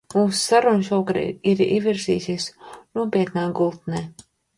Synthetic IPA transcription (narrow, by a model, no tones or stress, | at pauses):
muːssaɾunʃuɔkɾ̰iɾḭviɾzḭːsisnuɔpiɛt̪naːɡulˠt̪nɛː